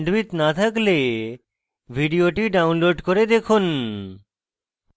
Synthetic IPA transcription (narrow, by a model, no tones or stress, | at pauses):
ɳɖʋit̪nat̪ʰakle | bʱiɖijoʈiɖawnloɖkoɾed̪ekʰun